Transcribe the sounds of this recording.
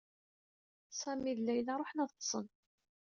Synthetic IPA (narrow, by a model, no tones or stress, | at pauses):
sæmiðlːæjlaɾˤoħnæðˤt̪ːˤsˤən